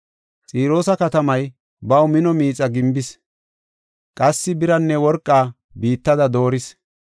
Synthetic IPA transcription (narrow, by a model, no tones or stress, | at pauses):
t͡sʼiːɾo̞ːsɐkɐt̪ɐmɐj | bɐwmɪnɔmiːt͡sʼːɐɡɪmbɪs | kʼɐsːɪbɪɾɐnːɛwɔɾkʼːaː | biːt̪ːɐd̪ɐd̪o̞ːɾɪs